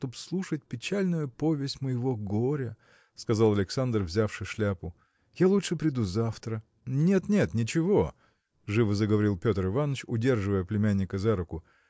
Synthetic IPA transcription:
t̪opslˠuʂət̚ʲpʲɪt͡ɕælʲnʊjʊpo̞vʲɪsʲtʲməjɪvo̞ɡoɾʲə | skɐzalˠɐlʲɪksand̪rvzʲafʂɨʂlʲapʊ | jalˠutʂɨpɾʲɪd̪uzaft̪ɾə | nʲe̞t̪nʲe̞t̪nʲɪt͡ɕɪvo̞ | ʐɨvəzəɡəvɐɾʲilˠpʲo̞t̪ɾɨvanːət͡ɕʊdʲe̞rʐɨvəjəplʲɪmʲænʲːɪkəzaɾʊkʊ

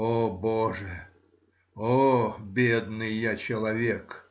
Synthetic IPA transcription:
oboʐɨ | obʲed̪nɨjːat͡ɕɪlˠɐvʲek

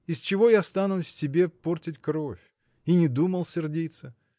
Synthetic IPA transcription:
ɪst͡ʃɪvo̞jast̪anʊsʲɪbʲe̞portʲɪtʲkɾo̞fʲ | inʲɪd̪uməlˠsʲɪrdʲit̪sə

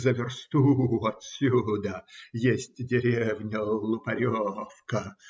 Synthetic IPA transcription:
zəvʲɪrst̪uɐt̪sʲud̪əjesʲtʲdʲɪɾʲevnʲʊlˠʊpɐɾʲofkə

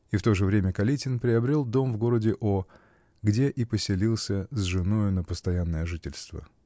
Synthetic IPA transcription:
ift̪o̞ʐɨvɾʲemʲəkɐlʲitʲɪnpɾʲɪɐbɾʲelˠd̪o̞mvɡo̞ɾədʲɪʔo | ɡdʲe̞ʔipəsʲɪlʲilˠsʲəzʐɨno̞jʊnəpəst̪ɐjanːəjəʐɨtʲɪlʲst̪və̰

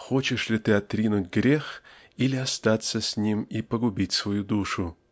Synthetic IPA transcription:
xo̞t͡ɕɪʂlʲɪt̪ɨɐt̪ɾʲinʊtʲɡɾʲe̞x | ilʲɪast̪at̪səsʲnʲimipəɡʊbʲitʲsvɐjud̪uʂʊ

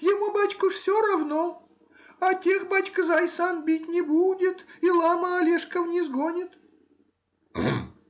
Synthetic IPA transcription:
jɪmubat͡ɕkʊfsʲoɾɐvno | ɐtʲe̞xbat͡ɕkzajsanbʲitʲnʲɪbudʲɪt̪ilˠaməɐlʲeʂkəvnʲɪzɡonʲɪt̪

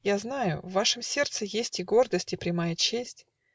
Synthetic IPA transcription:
jaznajʊ̰vːaʂɨmsʲe̞rt̪sɨjesʲtʲɪɡo̞rd̪əsʲtʲɪpɾʲɪmajət͡ɕesʲtʲ

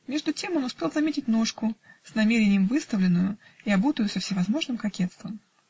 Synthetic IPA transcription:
mʲe̞ʐd̪ʊtʲe̞monʊspʲe̞lˠzɐmʲetʲɪtʲnoʂkʊsnɐmʲeɾʲɪnʲɪjəmvɨst̪əvlʲɪnːʊjʊiɐbut̪əjʊsəfsʲɪvɐzmo̞ʐnɨmkɐkʲet̪st̪vəm

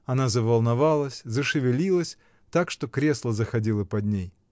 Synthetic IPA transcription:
ɐnazəvɐlˠnɐvalˠəsʲzəʂɨvʲɪlʲilˠəsʲ | t̪akʂt̪o̞kɾʲe̞slˠəzəxɐdʲilˠəpɐd̪ʲnʲej

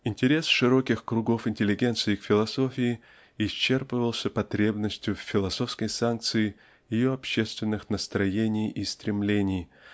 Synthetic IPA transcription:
ɪnʲtʲɪɾʲe̞sʂɨɾo̞kʲɪxkɾʊɡo̞fɪnʲtʲɪlʲɪɡʲe̞nt̪sɨɪkfʲɪlˠɐso̞fʲɪɪ | ɪɕt͡ɕːe̞rpɨvəlˠsʲəpɐt̪ɾʲe̞bnəsʲtʲjʊfʲfʲɪlˠɐso̞fskəjsank̚t̪sɨɪ | jɪjoɐpɕe̞st̪vʲɪnːɨxnəst̪ɾɐjenʲɪjist̪ɾʲɪmlʲenʲɪj

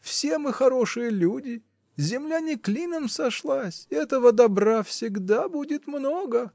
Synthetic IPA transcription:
fsʲe̞mɨxɐɾo̞ʂɨjəlʲudʲɪ | zʲɪmlʲanʲɪklʲinəmsɐʂlˠasʲɛt̪əvəd̪ɐbrafsʲɪɡd̪abudʲɪt̪mnoɡə

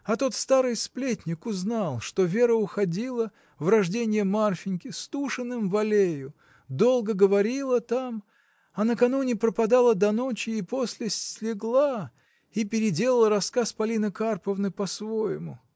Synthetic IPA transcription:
ɐt̪o̞t̪st̪aɾɨjsplʲetʲnʲɪkʊznalˠʂt̪o̞vʲe̞ɾəʊxɐdʲilˠə | vrɐʐdʲenʲɪjəmarfʲɪnʲkʲɪst̪uʂɨnːɨmvɐlʲejʊ | d̪o̞lˠɡəɡəvɐɾʲilˠət̪am | ɐnəkɐnunʲɪpɾəpɐd̪alˠəd̪ɐno̞t͡ɕɪːpo̞sʲlʲɪsʲlʲɪɡlˠa | ipʲɪɾʲɪdʲe̞lˠəlˠəɾɐskaspɐlʲinəkarpəvnɨpɐsvo̞jɪmʊ

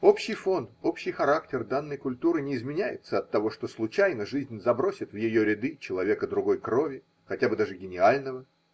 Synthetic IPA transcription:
o̞pɕːɪjfo̞no̞pɕːɪjxɐɾaktʲɪrd̪anːəjkʊlʲt̪uɾɨnʲɪːzmʲɪnʲæjɪ̰t̪səɐt̪ːɐvo̞ʂt̪o̞slˠʊt͡ɕæjnəʐɨzʲnʲzɐbɾosʲɪt̪vjɪjo̞ɾʲɪd̪ɨt͡ɕɪlˠɐvʲe̞kəd̪ɾʊɡo̞jkɾo̞vʲɪ | xɐtʲabɨd̪aʐɨɡʲɪnʲɪalʲnəvə

